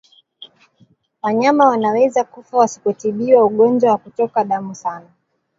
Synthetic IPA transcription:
waɲamawanawɛzakufawasi̥kɔtiɓiwauɠɔnd͡ʒwawakutɔkaɗamusana

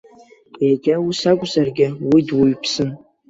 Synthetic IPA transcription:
ejɡʲawusakʷʼzarɡʲɪwidwʊɥpʰsɨn

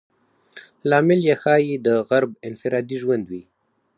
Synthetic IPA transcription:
lɑmɪljexɑjid̪əɣaɾbɪnfɪɾɑd̪iʒwand̪wi

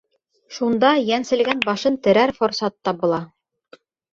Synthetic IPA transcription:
ʃund̪ɑjænsɘ̆lɡænbɑʃɤnt̪ɘ̆ɾæɾfŏɾsɑt̪ːɑbŭlˠɑ

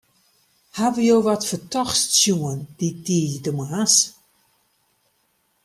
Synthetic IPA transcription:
haʋəjowʋɔtfətɔxssjuənd̥idiəjdəmas

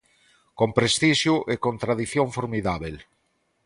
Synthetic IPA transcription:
kompɾest̪iʃjuʔekont̪ɾaðiθjoɱfoɾmiðaβel

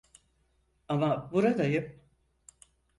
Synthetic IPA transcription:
amabuɾad̪ajɯp̚

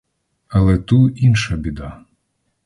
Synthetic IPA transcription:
ɐlˠɛt̪uinʃɐbʲid̪a

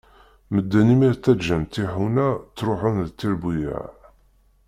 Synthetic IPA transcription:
məd̪ːænimiɾt̪ːæʒəmt̪ːiħunæt͡sːɾʊħənðt̪ːiɾbujæ̰ʕ

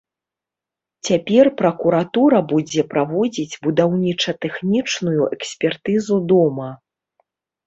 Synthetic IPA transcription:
t͡sʲapʲɛrpɾɐkuɾat̪uɾɐbud͡zʲɛpɾavɔd͡zʲid͡zʲbud̪awnʲit͡ʂɐt̪ɛxnʲit͡ʂnujuʔɛksʲpʲɛrt̪ɨzud̪ɔmɐ

